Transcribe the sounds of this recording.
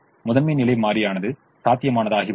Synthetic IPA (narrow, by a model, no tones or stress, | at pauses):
mʊðɐnmeːnɪlɐɪmaːɾɪjaːnɐðɯ | saːt̪ːɪjɐmaːnɐðaːɣi